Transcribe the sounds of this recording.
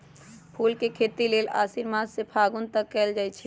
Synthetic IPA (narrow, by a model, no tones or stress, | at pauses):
pʰulkekʰet̪ilela̰ːsiɾmad̪sepʰaɡunt̪əkːɛld͡ʒaːjt͡ʃʰi